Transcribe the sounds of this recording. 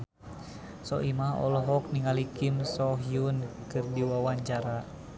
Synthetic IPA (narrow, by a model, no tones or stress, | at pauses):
sɔʔimaɦɔ̰lɔɦɔk̚niŋalikimsɔɦiunkɨrdiwawaɲt͡ʃaɾa